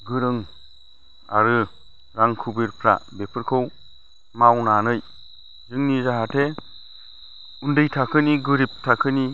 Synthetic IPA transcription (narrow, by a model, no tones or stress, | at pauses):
ɡɯɾɯŋ | a̰ɾɯ | ɾaŋkʰubiɾpʰɾa̰bepʰɯɾkʰɯw | mawnanɯj | zɯŋnizaɦatʰe | undɯjtʰakʰɯniɡɯɾip̚tʰakʰɯni